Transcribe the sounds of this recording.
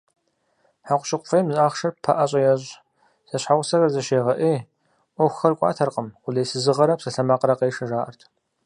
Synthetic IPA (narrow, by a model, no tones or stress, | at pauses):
ħaqʷʊʃɪqʷʊfɐjmzʼaːχʂɐrppʰa̰ʔɐɕʼɐjɛɕʼ | sɐɕħaʁʷʊsɐrɐrzɐʃeːʁɐʔeː | ʔʷɔxxɐrkʷʼɑ̰ːtʰɐrqʼəmʊlejsɨzɨʁɐɾɐpsɐɬɐmaːqɾɐqeːʂɐʒaːʔɐ̰rtʰ